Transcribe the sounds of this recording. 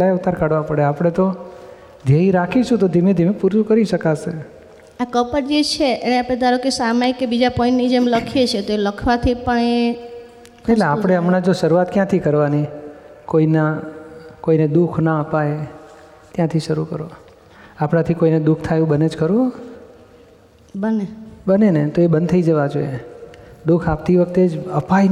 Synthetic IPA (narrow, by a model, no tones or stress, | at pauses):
laeut̪aɾkaɽʋãpəɽeapɽ̃et̪o | d̪ʱjeiɾakʰiʃʰũt̪od̪ʱimẽd̪ʱimẽpuɾt͡ʃukəɾiʃəkasʰe | akəpəɾd͡ʒet͡ʃʰeʔeneapɽẽd̪aɾokesamajkebid͡ʒapɔĩɳʈnid͡ʒemləkʰijet͡ʃʰet̪oeləkʰʋat̪ʰipəɳe | eleapəɽ̃eəmɽãd͡ʒoʃəɾuʋat̪kjãt̪ʰikəɾʋanikoina | koined̪ukʰnaəpae | t̪jãt̪ʰiʃəɾukəɾo | apɽ̃ãt̪ʰikoined̪uk̚ʰt̪ʰajũbəned͡ʒkəɾʋũ | bənebənenet̪oebənd̪t̪ʰəid͡ʒəʋad͡ʒoje | d̪ukʰap̚t̪iʋəkt̪ed͡ʒəpa